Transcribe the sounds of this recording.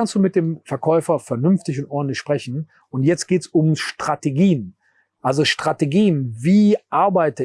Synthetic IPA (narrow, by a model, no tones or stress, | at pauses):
anstd̥uːmɪt̚d̥eːmfɛɐkʰɔʏfɐfɛɐnʏnftɪçʊntʔɔɐdn̩tlɪçʃpʁ̥ɛçn̩ | ʔʊntjɛt͡stɡ̥eːtsʊmʃtʁ̥ateɡiːən | ʔalzoʃtʁ̥ateɡiːənviːʔaɐbaɪtə